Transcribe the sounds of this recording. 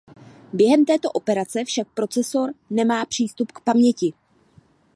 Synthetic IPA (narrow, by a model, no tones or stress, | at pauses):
bjɛɦɛmt̪ɛːt̪o̞ʔo̞pɛɾat͡sɛfʃak̚pɾo̞t͡sɛso̞ɾnɛmaːpr̝̥iːst̪upkpamɲɛcɪ